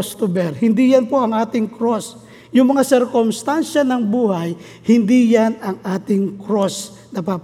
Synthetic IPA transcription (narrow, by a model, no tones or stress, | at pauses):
st̪ubɛɾhɪnd̪ijanpoʔɐŋʔaːt̪ɪŋkɾos | jʊŋmɐŋasɛɾkomst̪anʃanɐŋbuːhaj | hɪnd̪ijanɐŋʔaːt̪ɪŋkɾos | nɐpap